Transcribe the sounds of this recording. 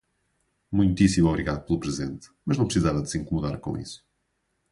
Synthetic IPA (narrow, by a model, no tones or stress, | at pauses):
mũj̃nt̪isimɔβɾiɣaðuplˠupɾɨzẽnt̪mɐʒnɐ̃w̃pɾɨsizavɐðsẽŋkumuðaɾkõ̰ḭsu̥